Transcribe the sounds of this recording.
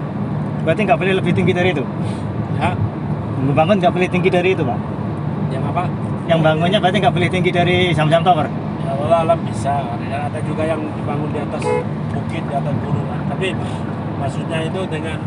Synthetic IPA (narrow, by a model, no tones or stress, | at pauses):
bat̪iŋɡaʔpəlɪhləbɪht̪iŋɡidaɾiːt̪u | ɦaʔ | ibaŋʊnŋɡaʔpəlɪht̪iŋɡidaɾiːt̪umaʔ | jaŋapa | jaŋbaŋʊnɲabat̪̬iŋɡaʔpəlɪht̪iŋɡidaɾisamasamt̪awər | jawalalambisa | jaːdad͡ʒuɡajaŋdibaŋʊndiat̪as | bukɪt̪̚diat̪asbuluŋant̪apia | masut̪̚ɲait̪udəŋan